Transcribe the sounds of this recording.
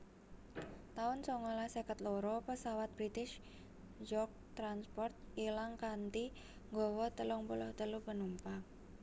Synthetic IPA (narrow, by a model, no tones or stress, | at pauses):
t̪aʊnsɔŋɔlasəkət̪loɾɔpəsawat̪̚b̥ɾit̪ɪʃ | d͡ʒɔk̚t̪ɾanspɔrt̪̚ilaŋkant̪i | ŋɡɔwɔt̪əlɔŋpulʊht̪əlupənumpa